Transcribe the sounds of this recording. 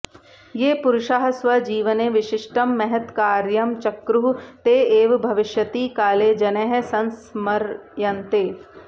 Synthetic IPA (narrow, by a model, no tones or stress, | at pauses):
jeːpʊɾʊʃaːɦsʋɐd͡ʒiːʋəneʋɪʃɪʃʈəmːɛɦɛt̪kaːɾjɐmt͡ʃɐkɾuɦt̪eːeːʋbʱɐʋɪʃjət̪iːkaːleːd͡ʒɐneːɦesɐnsmɐɾjɐnt̪eː